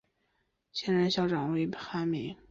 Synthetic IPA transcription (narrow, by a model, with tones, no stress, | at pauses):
ɕjɛ˥nɻə˧˥nɕjɑ˥ʊʈ͡ʂɑ˨˩ŋwe˧˥ɪpxa˥mi˧˥